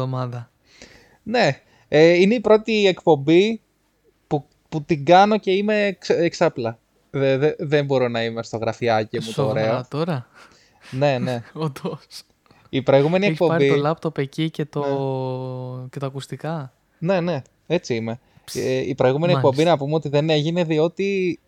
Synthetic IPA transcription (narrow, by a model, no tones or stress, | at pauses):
omɐðɐ | ne̞ | eine̞ipɾo̞t̪iekpo̞mbi | pu | put̪iɡɐno̞ce̞ime̞ksːksɐplɐ | eðeðe̞mbo̞ɾo̞nɐimest̪o̞ɣɾɐfiɐcimut̪oːɾe̞ot̪oɾɐ | ne̞ne̞od̪o | ipɾo̞jɣumenieçpo̞mɐɾbiolɐpt̪o̞pecice̞t̪o | cet̪ɐːkust̪ikɐ | ne̞ne̞ | e̞t͡siime̞ | ipɾoiɣume̞niekkpo̞mbinɐpumeot̪iðe̞ne̞ʝine̞ðio̞t̪i